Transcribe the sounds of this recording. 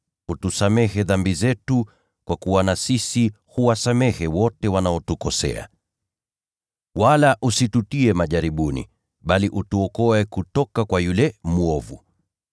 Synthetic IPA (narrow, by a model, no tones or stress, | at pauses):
utusamɛhɛðambizɛtu | kwakuwanasisi | huwasamɛhɛwɔtɛwanaɔtukɔsɛ̰a̰ | walaʔusitutiɛmaʄaɾiɓunḭ | ɓaliʔutuɔkɔɛkutɔkakwajulɛmuɔvṵ